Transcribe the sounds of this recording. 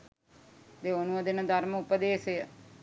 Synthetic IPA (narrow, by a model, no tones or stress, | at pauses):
d̪eonũəd̪enãd̪aɾmʊpəd̪eːse